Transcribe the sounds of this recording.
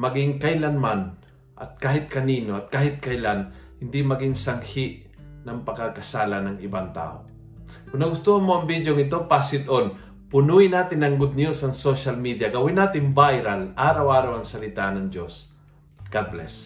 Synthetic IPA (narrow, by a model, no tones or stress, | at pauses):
mɐɡɪŋkɐjlanman | ʔɐ̰t̪̚kaːhɪt̪̚kɐniːnoʔɐt̪̚kaːhɪt̪̚kɐjlanhɪnd̪imɐɡɪŋsɐŋhɪʔ | nɐŋpɐkakɐsaːlanɐŋɪbaŋt̪a̰ːʔo̰ | kʊŋnɐɡʊst̪uhɐnmoʔɐŋbid̪joŋɪt̪o̞pasɪd̪ʔon | pʊnuːjɪnaːt̪ɪnɐŋɡʊd̪̚njusɐŋsoʃɐlmid̪jaɡɐwɪnaːt̪ɪŋbajɾalʔaːɾawʔaːɾawɐŋsɐlɪt̪anɐŋd͡ʒos | ɡ̥ad̪̚blɛ̰s